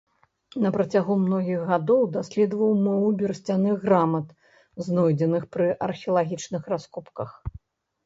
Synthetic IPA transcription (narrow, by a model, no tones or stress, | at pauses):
nɐpɾɐt͡sʲaɣumnɔɣʲiɣɣad̪ɔwd̪asʲlʲɛd̪vɐwmɔvubʲɛrsʲt͡sʲanɨɣɾamɐt̪ | znɔjd͡zʲɛnɨxpɾɨʔɐrxʲɛɐlˠaɣʲit͡ʂnɨxraskupkɐx